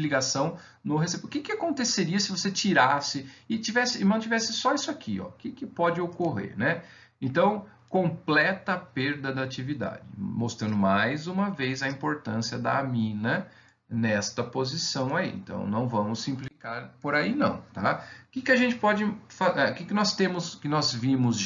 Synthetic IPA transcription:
liɡasɐ̃w̃ | nʊɦesepʊkɪkɪakõnt̪eseɾiɐsɪvoset͡ʃiɾasɪɪt͡ʃivɛsɪɪmɐ̃w̃t͡ʃivɛsɪsɔisʊakʰiɔ̰kɪkɪpɔd͡ʒɪokoɦḛɾnɛ | ẽt̪ɐ̃w̃ | kõplɛt̪ɐpeɾd̪ɐd̪ɐat͡ʃivid̪a̰d͡ʒɪ̰most̪ɾɐ̃nd̪ʊmajzũmɐvejzɐĩpoɾt̪ɐ̃siɐd̪ɐ̰ːmĩnɐ | nɛst̪ɐpozisɐ̃w̃aḭḛ̃nt̪ɐ̰̃w̃nɐ̰̃w̃vɐ̃mʊsĩplikaɾpoɾainɐ̰̃w̃t̪akɪkɪɐʒẽnt͡ʃɪ̥pɔd͡ʒɪfaɛkɪkɪnɔst̪ẽmʊskɪnɔzvĩmʊz

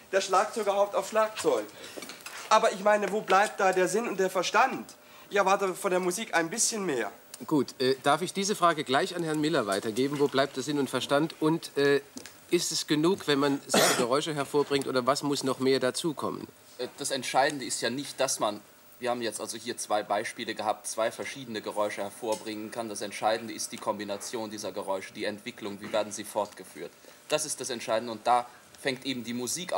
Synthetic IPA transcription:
d̥eːɐʃlaːk̚t͡sɔʏɡɐhaʊp̚taʊfʃlaːk̚t͡sɔʏɡ | ʔaːbɐɪçmaɪnəvoːblaɪp̚t̚d̥aːdeːɐzɪnʊnt̚d̥eːɐfɛɐʃtant | ʔɪçɛɐvaɐtəfɔndeːɐmuziːkʔaɪnbɪsçənmeːɐ | ɡ̥uːtʔɛːd̥aɐfɪçd̥iːzəfʁ̥aːɡəɡlaɪçanhɛɐnmɪlɐvaɪtɐɡeːbm̩voːblaɪp̚d̥eːɐzɪnʊntfɛɐʃtantʔʊntʔɛː | ʔɪstɛsɡ̥ənuːkv̥ɛnmanzaɪnəɡəʁɔʏʃəɦɛɐfoːɐbʁɪŋktʔoːdɐvasmʊsnɔχmeːɐdat͡suːkʰɔ̰mə̰nː | d̥asɛntʃaɪdn̩dəɪstjaːnɪçt̚d̥asman | viːɐhaːbm̩jɛt͡stʔa̰lzohiːɐt͡sv̥aɪbaɪʃpiːləɡəhaːp̚tt͡sv̥aɪfɛɐʃiːdənəɡəʁɔʏʃəhɛɐfoːɐbʁɪŋənkʰand̥asɛntʃaɪdn̩dəɪstd̥iːkʰɔmbinat͡sjoːndiːzɐɡəʁɔʏʃəd̥iːɛntv̥ɪklʊŋviːveːɐdn̩ziːfɔɐtɡ̥əfy̰ːɐtd̥asɪstd̥asɛntʃaɪdn̩dəʊnt̚d̥aː | fɛŋktʔeːbm̩diːmuziːk

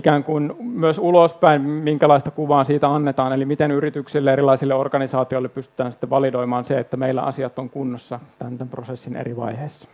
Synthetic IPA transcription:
ikæːŋkunmyøsulospæinmiŋkælɑist̪ɑkuʋɑːsiːt̪æɑnːet̪ɑːnelimit̪enyrit̪yksilːeerilɑisilːeorkɑnisɑːt̪ioilːeppyst̪y̥t̪æːnsi̥t̪ːeʋʋɑlidoimɑːnseet̪ːæmeilːæ̰ɑ̰siɑt̪ːoŋkunːosːɑt̪ænt̪æmprosesːinḛriʋɑ̰iheːsːɑ̥

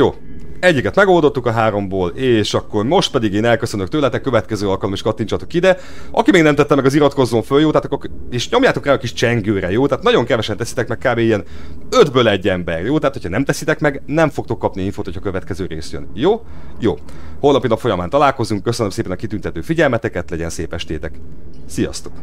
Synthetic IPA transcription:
joː | ɛɟːikɛt̪mɛɡo̞ld̪o̞t̪ːukɒɦaːɾo̞mboːleːʃɒkːo̞rmo̞ʃt̪̚pɛd̪iɡeːnɛlkøsønøkt̪øːlɛt̪ɛkːø̞vɛt̪kɛzøːɒlkɒlomeːʃkɒt̪ːint͡ʃɒt̪okid̪ɛ | ɒ̰kimeːɡnɛmt̪ɛt̪ːɛmɛɡɒziɾɒt̪ko̞zoːɱføljoːt̪ɛaːt̪ɒkːorkeːʃɲo̞mjaːt̪o̞kraːɒkiʃt͡ʃɛŋɡøːɾɛjoːt̪aːt̪nɒɟo̞ŋkɛvɛʃɛnt̪ɛsi̥t̪ɛkmɛk̚kaːbeːijɛnød̪bøːlɛɟːɛmbɛrjoːt̪ɛaːt̪hocʰɒnɛmt̪ɛsit̪ɛkmɛɡnɛɱfo̞k̚t̪o̞kːɒpniiɱfoːt̪hocʰhɒkø̞vɛt̪kɛzøːɾḛːsjønjoː | jo̰ːho̞lnɒpinɒpfo̞jɒmaːnt̪ɒlaːlko̞zuŋkːø̞sønømseːpɛnɒkit̪ynt̪ɛt̪øːfiɟɛlmɛt̪ɛkɛt̪lɛɟɛ̰nsḛːpɛʃt̪eːt̪ɛk | sijɒ̰st̪o̥k

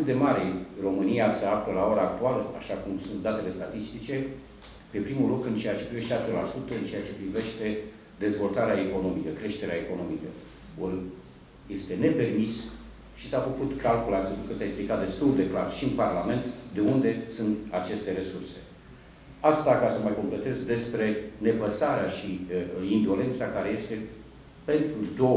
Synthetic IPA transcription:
ɨt̪̚d̪e̞maɾero̞mɨniasəafləlao̞ɾaːk̚t̪ualəa̰ʃakumsunt̪̚d̪at̪e̞le̞st̪at̪ist̪it͡ʃe̞ | pe̞pɾimulukt̪ɨnt͡ʃe̞jat͡ʃe̞pɾive̞ʃt̪easfelasut̪əɨnt͡ʃe̞jat͡ʃe̞pɾive̞ʃt̪e̞ | d̪e̞zvo̞lt̪aɾeaeko̞no̞mikəkɾe̞ʃt̪e̞ɾeaeko̞no̞mikə | or | je̞st̪e̞ne̞pe̞rmis | ʃisafəkut̪kalkulansit̪ukəsaeksplikat̪̚d̪e̞st̪uld̪e̞klarʃiɨnparlame̞nt̪d̪e̞und̪e̞sunt̪at͡ʃe̞st̪e̞ɾe̞surse̞ | ast̪akasəməjko̞mple̞t̪e̞zd̪e̞spɾe̞ne̞pəsaɾeaʃiind̪ole̞nt̪sakaɾe̞je̞st̪e̞ | pe̞nt̪ɾud̪o̞

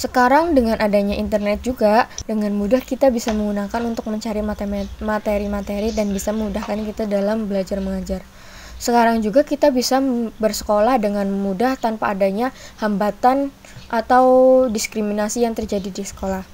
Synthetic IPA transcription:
səkaɾaŋdəŋanʔadaɲaʔint̪ərnɛt̪̚d͡ʒuɡadəŋanmudahkit̪abisaməŋɡunakanunt̪ʊk̚məɲt͡ʃaɾimat̪eɾimat̪eɾidanbisaməmudahkankit̪adalambəlad͡ʒarməŋad͡ʒar | səkaɾaŋd͡ʒuɡakit̪abisabərsə̥kolahdəŋanmudaht̪anpa̰ːdaɲahambat̪an | ʔat̪awdiskɾiminasijaŋt̪ərd͡ʒadidisə̥kolah

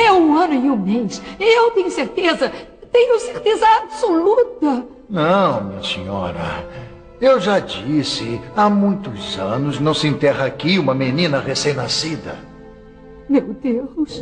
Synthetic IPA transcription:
ɛũɐ̃nʊɪũmejsewt̪ẽɲʊseɾt̪ezɐt̪ẽɲʊseɾt̪ezɐabsolut̪ɐ | nɐ̃w̃mĩɲɐsḛɲɔ̰ɾɐ̰ | ewʒad͡ʒisɪamũj̃t̪ʊzɐ̃nʊznɐ̃w̃sɪẽnt̪ɛɦɐakiũmɐmenĩnɐʁesẽj̃nasid̪ɐ̰ | mewd̪ehʊs

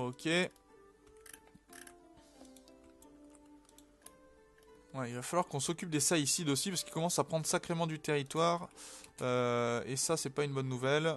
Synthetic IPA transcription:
okʲe | wɛilvafalwaʁkɔ̃sɔkʲyp̚d̪esaisid̪osipaskilkɔmɑ̃sapχɑ̃d̪ʁsakχemɑ̃d̪yt̪eʁit̪waːʁøesasɛpaynbɔnːuvɛl

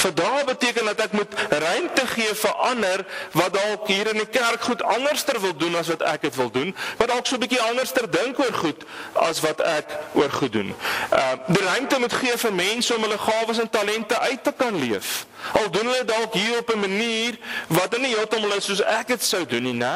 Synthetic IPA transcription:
fəndɑːrbətiəkəndɐtækmutrœɥmtəχiəfəʔɐnərvɐt̚ɑlˠkɦiːɾənikærkχutɐnərstərvəlˠdunɐs̬vɐtæ̰kətvəlˠdunvɐdɐlˠksuəbikiɐnərstərdəŋkuərχut | ɐ̰svɐtækuərχut̚dṵnədirœɥmtəmutχiəfərmɛnsəɔmɦələχɑːvəs̬əntɐlɛntəʔœɥtːəkɐnliəf | ɐlˠdunɦələdɑlˠkɦiːɾɔpəməniːrvɐtəniɦiəlˠtɐmɐlˠəsːuəsækətsəwduninɛ

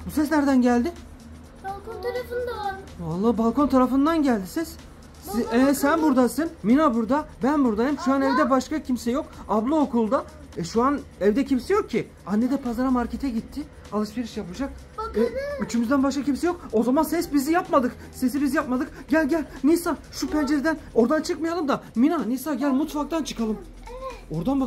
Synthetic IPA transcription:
busɛsnæɾd̪ænɟælʲd̪ɪ | lˠknt̪ʰaɾafɯnd̪avalˠːaːbalˠkʰo̞nt̪ʰaɾafɯnd̪anɟælʲd̪isɛs | ɛsænbuɾd̪asɯnminabuɾd̪abænbuɾd̪ajmʃuanɛvd̪ɛbaʃkacʰimsɛjo̞kablˠɯokulˠd̪a | ɛʃuanɛvd̪ɛcʰimsɛjo̞k̚cʰːi | anːɛd̪ɛpʰazaɾamaɾcʰet̪ʰɛɟit̪ʰːɪ | alˠɯʃveɾiʃjapɯd͡ʒak̚ | ɛyt͡ʃʰymyzd̪ænbaʃkacimsɛjo̞k̚o̞zamansɛsbizijapmad̪ɯk | se̞s̬ibizjapmad̪ɯk | ɟælʲɟælʲnisaʃupʰɛnd͡ʒeɾid̪æno̞ɾd̪ant͡ʃʰɯkmajalˠɯmd̪aminanisaɟælʲmut̪fak̚t̪ant͡ʃʰɯ̥kʰalˠɯm | o̞ɾd̪anba

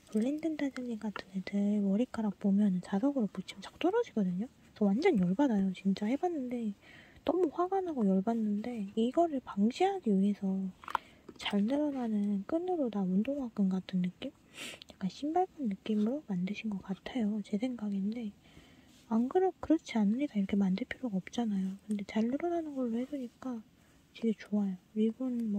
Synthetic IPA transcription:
pɯɭːendɯndad͡ʑɯɲiɡatʰɯndetewʌɾik͈aɾak̚p͈omjʌnɯnt͡ɕasʌɡɯɾoput͡ɕʰimt͡ɕḁk̚t͈ʌɾʌd͡ʑiɡʌdɯɲo | sʰʌwand͡ʑʌnjʌɭbadajot͡ɕint͡ɕ͈ahe̞banːɯnde̞dʌmuɸwaɡanɦaɡojʌɭbanːɯnde̞iɡʌɾɯɭpaŋɕʰiɦaɡiue̞sʰʌ | t͡ɕaɭnɯɾʌnanɯnk͈ɯnɯɾonaundoŋak͈ɯnkatʰɯnːɯk͈im | jak͈anɕʰimbaɭpʰɯnːɯk͈imɯɾomandɯɕʰinɡʌk͈atʰajot͡ɕe̞sʰe̞ŋɡaɡinde̞ | aŋɡɯɾok̚k͈ɯɾʌt͡ɕʰianɯɲik͈aiɾʌkʰemandɯɭpʰjiɾjoɡaʌp̚t͡ɕ͈anajokɯnde̞t͡ɕaɭnɯɾʌnanɯnɡʌɭːohe̞doɲik͈a | t͡ɕiɡet͡ɕoajoiɭbunmʌ

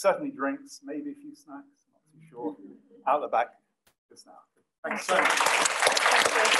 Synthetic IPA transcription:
sɜdⁿn̩lidɹɪ̃ŋksmeɪbiəfjʉsnæksnəttʰʉʃɔaʊt̪̚ðəbæk | d͡ʒʌsnaʊ | θɛ̃ksəʊʌt͡ʃ

